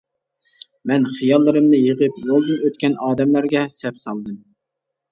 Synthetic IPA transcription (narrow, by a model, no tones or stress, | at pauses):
mɛnχijɑlˠːɨɾɨmnɨjeʁəpwolˠd̪ɨnøt̪̚kʲɛnɑːd̪ɛmlæɾɡʲɛsɛpsɑlˠd̪ɨm